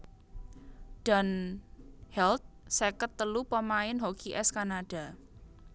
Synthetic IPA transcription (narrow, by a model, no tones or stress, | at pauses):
ɖ̥a̤n | hɛlt̪̚sekət̪ːəlupəmaɪnɦokʰiʔɛskanaɖ̥a̤